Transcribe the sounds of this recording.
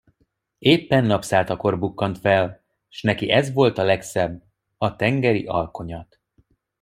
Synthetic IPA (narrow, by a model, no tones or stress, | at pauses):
eːpːɛnːɒpsaːt̪ɒko̞rbukːɒnt̪fɛl | ʃnɛkiɛzʋo̞lt̪ɒlɛksɛbː | ɒt̪ɛŋɡɛɾḭʔɒlko̞ɲɒt̪